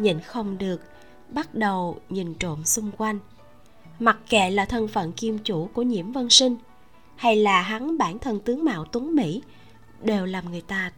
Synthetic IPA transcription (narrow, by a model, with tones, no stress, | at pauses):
ɲə̰˧˨nxə˧wŋ͡mɗɨ˨˩ək̚ | ɓa˦˥t̚ɗə˨˩wɲi˨˩nt͡ɕo̰˧˨nsʊ˧ŋ͡mkwa˧jŋ̟ | ma˨˩t̚kɛ̰˧˨laː˨˩t̪ʰə˧˩nfə̰˧˨nki˧əmt͡ɕu˧˩ku˧˩əɲḭ˧˩əmvə˧nsï˧ŋ̟ | ha˧jlaː˨˩ɦa˨˦ŋɓaː˧˩nt̪ʰə˧˩nt̪ɨ˨˦əŋma̰ː˧˨wt̪wə˨˦ŋmḭ˧˥ | ɗe˨˩wlaː˨˩mŋɨ˨˩əjt̪aː˧